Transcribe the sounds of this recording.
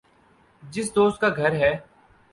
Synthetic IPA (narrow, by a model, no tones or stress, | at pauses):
d͡ʒɪs̬d̪oːst̪̚kaɡʱɐɾɦɛː